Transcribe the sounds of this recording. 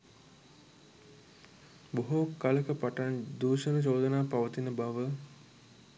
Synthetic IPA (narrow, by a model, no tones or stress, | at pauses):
boɦokaləkəpaʈand̪uːʃənət͡ʃoːd̪ənaːpaʋət̪inəbaʋə